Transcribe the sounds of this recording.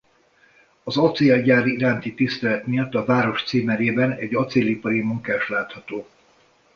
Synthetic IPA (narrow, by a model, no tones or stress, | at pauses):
ɒzot̪sialɟaːɾiiɾaːnt̪it̪ist̪ɛlɛt̪mijɒt̪ːɒvaːɾo̞ʃt̪siːmɛɾeːbɛnɛɟɒt̪selipɒɾimuŋkaːʃt̪laːt̪hɒt̪oː